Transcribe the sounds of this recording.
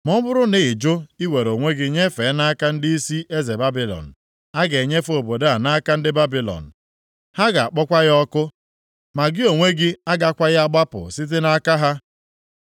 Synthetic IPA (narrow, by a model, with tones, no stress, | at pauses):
mɔ˦bʊ˦ɾʊ˦ne˨ɪ˨d͡ʒʊ˦i˦we˨ɾo˨ŋʷe˦ɡɪ˦ɲe˦fe˨˦na˦ka˦n̩˦dɪ˦i˦si˦e˦ze˨ba˦bi˨lɔ̰˨n̩˨ | a˦ɡe˨ɲe˦fo˨bo˨de˦a˨na˦ka˦n̩˦dɪ˦ba˦bi˨lɔ̰˨n̩˨ | ha˦ɡa˨a˨k͡pɔ˦kʷa˦ɣɔ˦kʊ˦ | ma˨ɡɪ˦o˨ŋʷe˦ɡɪ˦a˦ɡa˦kʷa˦ɣa˦ɡ͡ba˦pʊ̰˨sɪ˦t̬ɪ˦na˦ka˦ɦa˦